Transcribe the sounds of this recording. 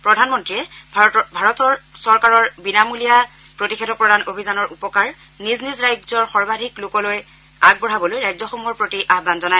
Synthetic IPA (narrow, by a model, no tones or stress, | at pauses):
pɹɔdʱanmɔntɹiɛbʱaɹɔtɔɹsɔɹkaɹɔɹbinamulija | pɹotixʰedʰɔpɹɔdʱanʔobʱizanɔɹʔupɔkaɹ | niznizɹajzɔɹxɔɹbadʱiklʊkɔloj | aɡ̚bɔɹabɔlojɹajzɔxɔmuɔɹpɹotiʔaɦbanzɔnaj